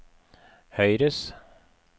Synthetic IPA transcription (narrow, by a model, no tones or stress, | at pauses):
hœjɾəs